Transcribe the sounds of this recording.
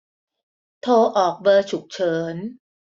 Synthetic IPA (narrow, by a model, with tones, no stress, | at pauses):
t̪ʰoː˧ʔɔː˨˩k̚bɤː˧t͡ɕʰu˨˩k̚t͡ɕʰɤː˦n